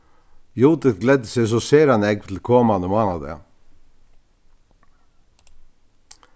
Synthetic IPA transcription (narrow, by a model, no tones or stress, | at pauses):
juːt̪əθɡlɛd̪əsɛsoːseːɾɑnɛːɡ̚t̪ʰl̩kʰɔmɑnəmɑːnɑd̪ə̰